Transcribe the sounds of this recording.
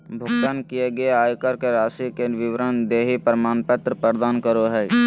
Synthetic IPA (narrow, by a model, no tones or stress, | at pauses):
bʱʊɡt̪ənkijeɡəeaːjkəɾkeɾaːsikeʋɪʋɾənd̪eːɦipəɾmaːnpət̪ɾəpəɾd̪aːnkəɾoɦɛ